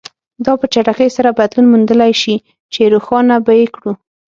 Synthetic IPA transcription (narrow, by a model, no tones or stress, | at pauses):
d̪ɑpət͡ʃaʈaxəjsaɾabad̪lunmund̪əlajʃi | t͡ʃeɾoxɑnabajekɽu